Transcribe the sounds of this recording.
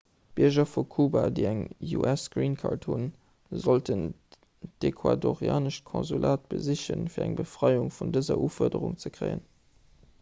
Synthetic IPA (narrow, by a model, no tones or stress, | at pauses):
b̥iɐʒɐfukʰuːbadəɪæŋjuʔæsɡ̥riːnkʰaːrthun | zoltʰən | d̥ekʰwadoʁjaːnəʃkʰõnzulʔaːt̚b̥əziɕənfiːɐæŋbəfʁ̥ɑɪuŋfundəzɐ̰ʔuːfɔɐdəʁʊŋt͡səkʁeɪə̰n